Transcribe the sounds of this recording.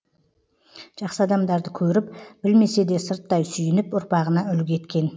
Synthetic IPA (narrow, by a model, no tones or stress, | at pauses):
ʒ̥ɑqsəɑd̪ɑmd̪ɑɾd̪əkʲʰɵɾɪpb̥ɪlme̞se̞d̪e̞səɾt̪ːɑjsʏjɪnɪpʊɾpɑʁənɑʏlɡʲkʲʰe̞t̪kʲe̞n